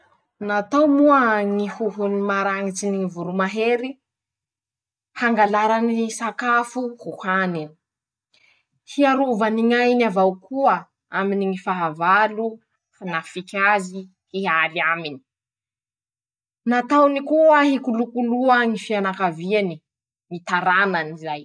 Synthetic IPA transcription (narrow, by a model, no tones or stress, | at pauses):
nat̪awmuaŋihuɦunimaɾaŋit͡siniŋivuɾumaɦeɾi | haŋɡalaɾanisakafuhuhani | hiaɾuvaniŋajnavawkuə | aminiŋifaɦavalu | fanafikʲazi | hiɦaliamini̥ | nat̪awnikuəɦikulukuluaŋifianakaviani | ŋit̪aɾananizaj